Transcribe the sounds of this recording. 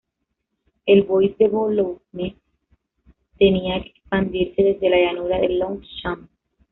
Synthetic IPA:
elβojsd̪eβolone | t̪eniaekekspand̪iɾseðezd̪elaʝanuɾaðelːõŋʃam

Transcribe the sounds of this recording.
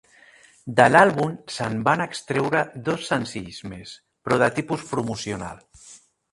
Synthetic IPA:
d̪əlalβumsəmbanəkst̪ɾewɾəd̪osːənsiʎzmes | pɾoðat̪ipuspɾumusiona̰l

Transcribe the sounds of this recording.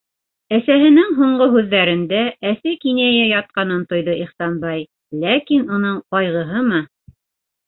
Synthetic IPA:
æsæɦɘ̆nɘŋɦuɴɢoɦʉðːæɾɘ̆nd̪ææsɘkinæjæjɑt̪̚qɑnɤnt̪ŏjðɤiχsɑnbɑj | lækinunɤɴqɑjʁɤ̆ɦɤmɤ

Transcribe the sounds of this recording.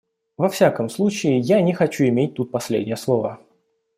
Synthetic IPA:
vɐfsʲakəmslˠut͡ɕɪɪjanʲɪxɐt͡ɕuɪmʲet̚ʲt̪ut̪̚pɐsʲlʲḛdʲnʲɪjəslˠovə

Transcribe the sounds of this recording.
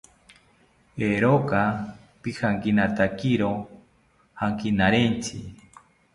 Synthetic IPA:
eɾoka | pihʰaŋkinat̪akiɾo | haŋkinaɾent͡sʰḭ

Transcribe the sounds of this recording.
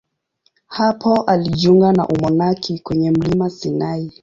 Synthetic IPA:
hapʰɔʔaliʄuŋɡana̰ʔumɔnakʰikwɛɲɛm̩limasinai

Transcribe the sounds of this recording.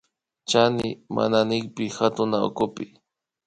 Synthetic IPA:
t͡ʃanɪmʔa̰nanɪkpɪhat̪ʊnao̰kʊpɪ

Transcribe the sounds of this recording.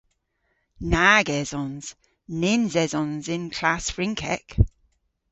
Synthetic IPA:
naːɡɛzɔ̃nz̥ | nɪnzɛzɔ̃nzɪ̃nkʰl̥asfɹɪ̃ŋkʰɛ̰k

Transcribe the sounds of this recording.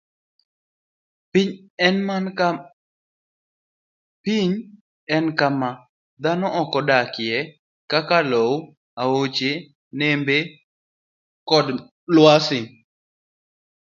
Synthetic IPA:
iɲ | ɛn | piɲ | ɛnkama | d̪anɔʔɔkɔdakɪjɛ | kakalow | aot͡ʃe | nembe | kɔd | lwasɪ

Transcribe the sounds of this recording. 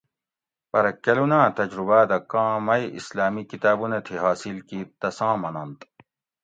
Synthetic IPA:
pɐɾɐkːɐlunãːt̪ɐd͡ʑɾubaːd̪ɐkãːmɐjḭslaːmikit̪aːbunɐt̪ʰiɦaːsilkiːt̪ɐsãːmɐnɐnt̪

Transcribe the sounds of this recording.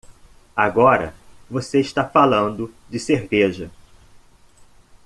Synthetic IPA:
aɡɔɾɐ̰voseɪʃt̪afalɐ̃nd̪ʊd͡ʒɪseɾveʒɐ

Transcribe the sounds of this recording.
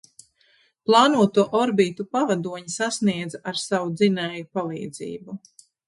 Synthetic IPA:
plˠɑːnuɔt̪uɔʔɔɾbiːt̪upavad̪uɔɲisasniɛd̪zaʔaɾsawud̪zinɛjupalˠḭːd̪zḭːbu

